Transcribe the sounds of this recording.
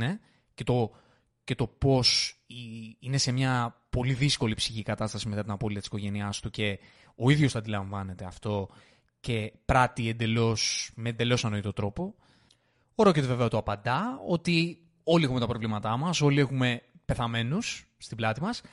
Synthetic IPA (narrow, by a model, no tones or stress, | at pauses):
e | ce̞t̪o̞ | ce̞t̪o̞po̞siine̞se̞mɲɐpo̞liðisko̞lipsiçikɐt̪ɐst̪ɐsime̞t̪ɐt̪inɐpo̞lit̪ɐt̪isiko̞ʝe̞niɐst̪uce̞ | o̞iðʝo̞st̪ɐnd̪ilɐɱvɐne̞t̪e̞ɐft̪o̞ | ce̞pɾɐt̪iend̪e̞lo̞smeːnd̪e̞lo̞sɐnoit̪o̞t̪ɾo̞po̞ | oɾo̞ce̞t̪e̞ve̞veɐot̪oɐpɐnd̪ɐo̞t̪i | o̞liexume̞t̪ɐpɾo̞vlimɐt̪ɐmɐso̞lie̞xume̞pe̞θɐme̞nusː | t̪iblɐt̪imɐs